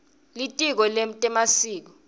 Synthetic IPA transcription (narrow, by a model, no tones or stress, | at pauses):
litʼik̬ɔlem̩tʼɛmasiːk̬ɔ